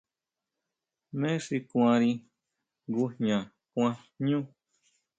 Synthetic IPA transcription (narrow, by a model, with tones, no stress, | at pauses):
mẽ˦ʂi˧kw̃ã˧ɾi˧ | ɡu˧ɲɲã˨ | kʷã˧ | ɲũ˦